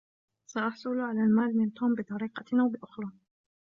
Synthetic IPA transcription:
saʔɑħsˤʊlʕalaːlmaːlmɪnt̪uːmbɪt̪ˤɑɾiːqɑnawbɪʔʊxɾˤɑː

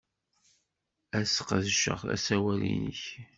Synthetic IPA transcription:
æsqðʃə̰ʁæ̰sæwælḭnəç

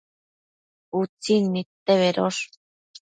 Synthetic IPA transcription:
ut͡sinːit̪ːeβeɾoʂ

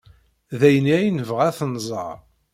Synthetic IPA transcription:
ðæjəniæjnəvʁæθnzˤə̰ɾˤ

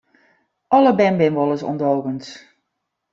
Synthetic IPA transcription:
ʔɔləbɛmbɪnʋɔlˠəsɔ̰ndowɣəns

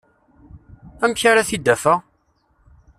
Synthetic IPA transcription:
æmçaɾaθid̪ːæfæ

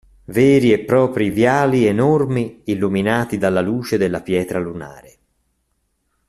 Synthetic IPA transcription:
vɛːɾiepːɾɔːpɾivjaːlienormiilːuminaːt̪id̪alːaluːt͡ʃed̪elːapjɛːt̪ɾaluna̰ːɾe

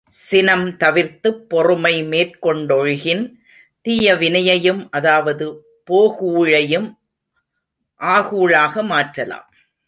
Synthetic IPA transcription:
sɪnɐmt̪ɐʋɪɾt̪ɯpːɔrɯmɐɪmeːrkɔɳɖɔɻɣɪn | t̪ɪjɐʋɪnɐjɐjɯmʔɐðaːʋɐðɯ | poːɣuːɻɐjɯm | ʔaːɣuːɻaːɣɐmaːʈrɐla̰ːm

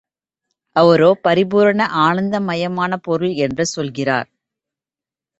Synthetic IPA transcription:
ʔɐʋɐɾoːpɐɾɪbuːɾɐɳɐʔaːɳɐnd̪ɐmɐjɐmaːnɐpɔɾɯɭɛndrɯsɔlɣɪra̰ːɾ

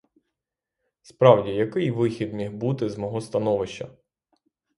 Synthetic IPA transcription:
spɾɑwdʲijɐkɪjʋɪxʲid̪mʲiɦbut̪ɪzmɔɦɔst̪ɐnɔʋɪʃt͡ʃɐ̰

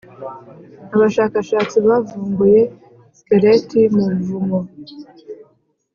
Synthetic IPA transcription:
aβaʃaːkaʃaːt͡siβavuːŋɡuje̞ | skeɾetimuvumo

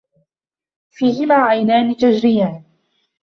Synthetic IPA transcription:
fiːhɪmaːʕajnaːnɪt̪ad͡ʒɾɪjaːn

